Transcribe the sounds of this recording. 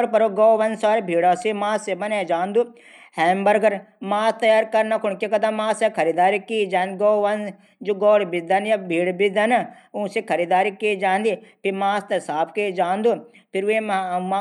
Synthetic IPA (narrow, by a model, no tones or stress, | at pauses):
ɾpɐɾoɡoːʋɐnsaːɾibʱiːɽaːsemaːsebɐned͡ʒaːnd̪u | hɛːmbɐɾɡəɾ | maːst̪ɐjaːɾkɐɾnakʰʊɳkekɐd̪ãːmaːsekʰɐɾid̪aːɾikiːd͡ʒaːnd̪ɡoːʋɐn | d͡ʒoɡɔːɽbid̪ɐnjabʱiːɽbid̪ɐna | ũsekʰɐɾiːd̪aːɾikeːd͡ʒaːnd̪ipʰimaːst̪ɐsaːpkeːd͡ʒãːnd̪u | pʰiɾemm